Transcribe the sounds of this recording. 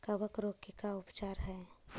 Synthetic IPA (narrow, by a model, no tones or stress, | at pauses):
kəbəkɾokikaʊpt͡ʃaːɾɦɛ